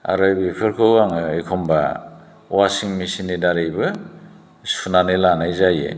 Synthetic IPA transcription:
a̰ɾɯjbipʰɯɾkʰɯwaŋɯekʰɔmba | wasiŋmisinːidaɾejbɯ | sunanilanajzajḛ

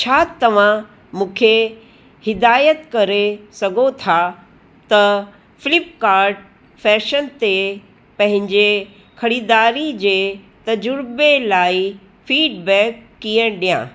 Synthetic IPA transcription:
t͡ɕʰaːt̪ɐʋ̤ã | mũːkʰe | hɪd̪aːjət̪kɐɾesɐɡʱot̪ʰa | t̪ɐ | fɪlɪpkaːɾɖ̚ | fɛːʃənt̪e | pɐ̃ɦɪ̃ɲd͡ʑe | kʰɐɽiːd̪aːɾid͡ʑeː | t̪ɐd͡ʑʊɾbelaːi | fiːɖbɛːkːiːə̃ɗijã̰ː

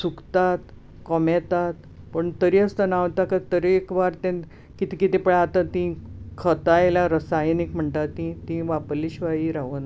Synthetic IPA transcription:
sukt̪at̪ | kɔmɛt̪at̪ | pəɳt̪əɾiəst̪ənaʋt̪akat̪əɾiekʋaɾt̪ẽ | kit̪ikit̪ẽpəɽat̪at̪ĩkʰət̪ajlaɾəsajnikm̤əɳt̪at̪ĩt̪ĩʋapliɕʋajiɾaʋən

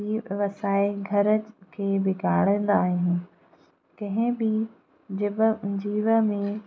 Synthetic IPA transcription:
iːʋɐsaːɪɡʱɐɾəkʰeːbɪɡʱa̰ːɽə̃ːn̆d̪aːɦiũː | kɐ̃ɦɪ̃bɪ | d͡ʑɪbd͡ʑiːʋəmẽ

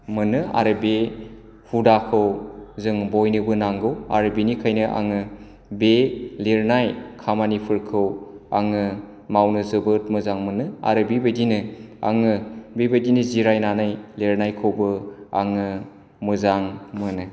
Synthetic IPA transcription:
mɯnɯa̰ɾɯbe | hudakʰɯwzɯŋbojnɯbɯnaŋɡɯwa̰ɾɯbenikʰajnɯʔa̰ŋɯ | beleɾnajkʰamanipʰɯɾkʰɯwaŋɯ | mawnɯzɯbɯt̚mɯzaŋmɯnɯa̰ɾɯbebajdinɯa̰ŋɯbebadinɯziɾajnanajleɾnajkʰɯwbɯa̰ŋɯ | mɯzaŋmɯnɯ

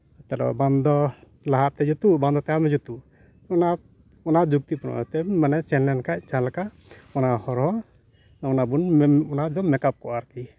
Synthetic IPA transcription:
t̪ɛlɔ̰band̪ɔ | laɦat̪t̪ɛd͡ʒut̪ubãnd̪ɔt̪ɛamɛd͡ʒut̪u | ɔna | ɔnaʔd͡ʒuk̚t̪ipɔnɔ̰ɛt̪ɛmanɛsɛnlɛnkac̚t͡ʃalka | ɔnahɔɾhɔ | ɔnabunɔnad̪ɔmɛkap̚kɔʔaɾki

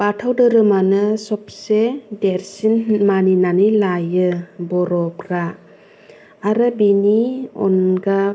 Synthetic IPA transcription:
patʰawdɯɾɯmanɯsɔp̚sedeɾsinmaninanilajɯbɔɾɔpɾa | ɾɯbiniɔ̰nɡa

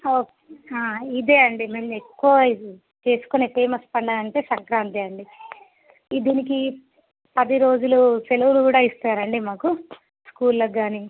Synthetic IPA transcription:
oːkeaːid̪e̞ːɐɳɖime̞ːmekːuɐ | t͡ʃe̞ːsu̥kone̞ːfe̞ːmɐspɐɳɖaːnɐɳʈe̞ːsɐŋkɾaːnt̪eɐɳɖi | id̪iːniki | pɐd̪iɾo̞ːd͡ʒuluselɐwulukuːɽaːist̪aːɾɐɳɖimaːku | skuːlːɐɡaːni

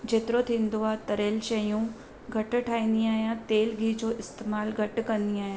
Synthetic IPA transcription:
d͡ʒet̪ɾoːt̪ʰɪnd̪uaːt̪ɐɾeːlʃɐjũː | ɡʱɐʈʈʰaːiniaːjãːt̪eːlɡʱiːd͡ʒoːʔɪst̪eːmaːlɡʱɐʈkəɾniaːjã

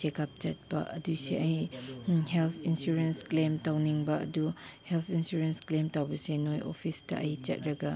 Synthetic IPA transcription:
t͡ʃekʰap̚t͡ʃɐt̚pɐ̰ʔɐdusḛʔɐj | helpʰinsuɾensklemtawniŋbɐɐ̰duhelpʰinsuɾensklemtawbɐsenojo̰pʰistɐ̰ʔɐjt͡ʃɐ̰t̚ɾɐɡɐ

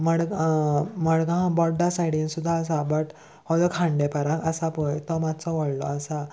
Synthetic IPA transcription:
məɽɡməɽɡãbɔʈ̚d̪asajɽĩnsud̪ʱːaːsabəʈ | hɔd͡zɔkʰãɳɖepəɾãəsapɔjt̪ɔmat̪t͡sɔʋɔɽlɔ̰əsa

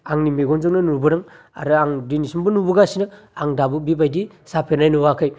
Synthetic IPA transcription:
aŋnimeɡɔnzɯŋnɯnuɾbɯɾɯŋ | a̰ɾɯaŋdinisimbɯnubɯɡasinɯaŋdabɯbibajdi | sapʰenajnɔwakʰɯj

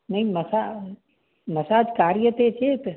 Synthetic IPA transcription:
nɐiməsa | mɐsaːd͡ʒkaːɾjət̪et͡ʃʰet̪

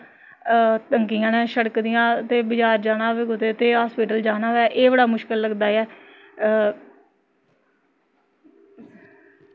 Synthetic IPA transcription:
t̪əŋkijãːnɛ̃ːʃəɽəkd̪ɪjãːt̪eːbɪd͡ʒaːɾd͡ʒaːnãːʋeːɡʊt̪eːt̪eːɦaːspiːʈəld͡ʒaːnaːʋɛːʔeːbəɽaːmʊʃkəlːəɡd̪aːɛː

